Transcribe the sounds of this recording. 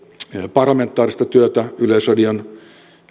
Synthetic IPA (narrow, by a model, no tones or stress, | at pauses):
pɑrlɑment̪ːˑɑːɾist̪ɑt̪yøt̪æylesrɑdion